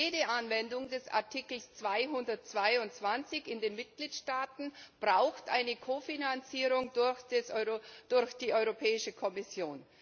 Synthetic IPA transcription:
eːdəʔanvɛndʊŋdɛsa̰ɐtʰikl̩st͡sv̥aɪɦʊndɐt̚t͡sv̥aɪʊntt͡sv̥ant͡sɪçɪndeːnmɪt̚ɡ̥liːtʃtaːtn̩b̥ʁaʊxtʔa̰ɪnəkʰoːfinant͡siːʁʊŋdʊç̥sd̥ʊɐçd̥iːʔɔʏʁopʰɛːɪʃəkʰɔmɪsjoːn

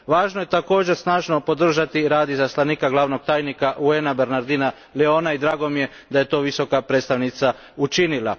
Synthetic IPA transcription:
ʋaːʒnoje̞t̪ako̞ːd͡ʑe̞ɾsnaːʒno̞po̞d̪r̩ʒat̪iɾaːd̪izaslaniːkaɡlˠaːʋno̞ɡ̚t̪aːjnikaʔueːnabe̞ɾnaɾd̪iːna | leo̞naid̪ɾaːɡo̞mije̞ | d̪aje̞t̪o̞ːʋiso̞kapɾed̪st̪aʋnit̪sa | ut͡ʃinila̰

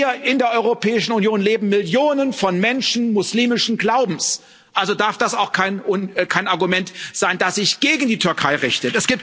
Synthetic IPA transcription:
ɐɪndeːɐʔɔʏʁopʰɛːɪʃn̩unjoːnleːbm̩mɪljoːnənfɔnmɛnʃn̩mʊsliːmɪʃn̩ɡlaʊbm̩s | ʔalzodaɐfd̥asaʊxkʰaɪnʔʊnkʰaɪnaɐɡumɛntz̥aɪndasz̥ɪçɡ̥eːɡŋ̩diːtʰʏɐkʰaɪʁɪçtətɛsɡ̥iːp

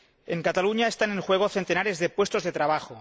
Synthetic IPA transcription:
eŋkat̪aluɲaest̪anẽŋxweɣ̞oθent̪enaɾezðepwe̞st̪o̞zðe̞t̪ɾaβ̞axo

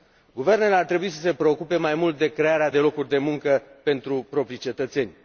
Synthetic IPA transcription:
ɡuve̞rne̞leart̪ɾe̞buisəse̞pɾe̞o̞kupe̞majmult̪̚d̪e̞kɾe̞aɾead̪e̞lo̞kurʲd̪e̞muŋkəpe̞nt̪ɾupɾo̞pɾit͡ʃe̞t̪ət̪se̞nʲ

